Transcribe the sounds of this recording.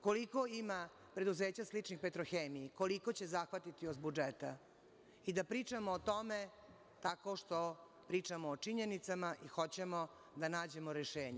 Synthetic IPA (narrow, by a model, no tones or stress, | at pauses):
ko̞liko̞ima | pɾe̞d̪uzeːt͡ɕaslit͡ʂnixpet̪ɾoxeːmijiko̞liko̞t͡ɕe̞zaxʋat̪it̪iozbud͡ʒet̪a | id̪apɾiːt͡ʂamoːt̪o̞me | t̪ako̞ʃt̪o | pɾiːt͡ʂamoːt͡ʂiɲe̞nit̪samaʔixo̞t͡ɕe̞mo | d̪anaːd͡ʑe̞moɾeʃeːɲe